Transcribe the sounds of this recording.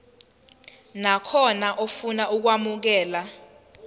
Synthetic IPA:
nakʰɔnaʔofunaʔuk̬wamuk̬ɛːla

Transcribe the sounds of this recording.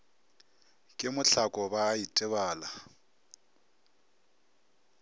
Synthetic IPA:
kʼɪmʊɬʰakʼɔbaːitʼɪβaːla

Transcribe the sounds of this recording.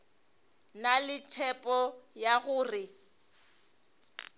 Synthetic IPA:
nalɪtʰɛpʼɔjaɣʊːrɪ

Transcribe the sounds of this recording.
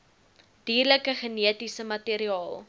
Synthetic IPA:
d̥iːrləkəχəniətisəmɐtiɾiɑːlˠ

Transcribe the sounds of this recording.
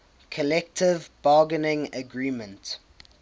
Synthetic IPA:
kʰəlɛk̚tʰɪvbɑːɡənɪ̃ŋəɡɹĩːmə̃nt

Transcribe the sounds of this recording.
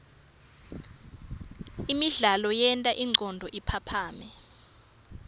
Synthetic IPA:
imiɮalɔjɛntʼaʔiŋ͡ǀɔndʱɔʔipʰapʰaːmɛ

